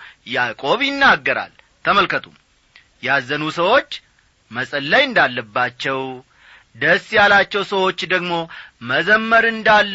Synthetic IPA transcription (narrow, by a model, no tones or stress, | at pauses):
jakʼo̞βjɪnːaɡːəɾa̰l | t̪ʰəməlkət̪ʰum | jazənusəwo̞t͡ʃː | məsʼəlːəjɨnd̪alːəbːat͡ʃːɛw | d̪əsːjalat͡ʃːɛwsəwo̞t͡ʃːd̪əɡmo̞məzəmːəɾɨnd̪alː